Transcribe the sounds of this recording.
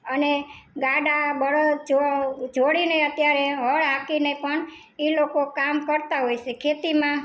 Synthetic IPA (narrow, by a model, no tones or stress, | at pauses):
əneɡaɖabəɽd͡ʒod͡ʒʱoɽineət̪jaɾeɦəɭɦakinepəɳ | ilokokamkəɾt̪aɦojt͡ʃʰekʰet̪imã